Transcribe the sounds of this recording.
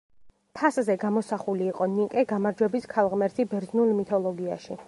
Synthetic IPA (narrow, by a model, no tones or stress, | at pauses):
pʰaszɛɡamɔsaχuliːqʼɔnikʼɛɡamaɾd͡ʒwɛbiskʰalˠʁmɛɾt̪ʰibɛɾznulˠmit̪ʰɔlˠɔɡia̰ʃi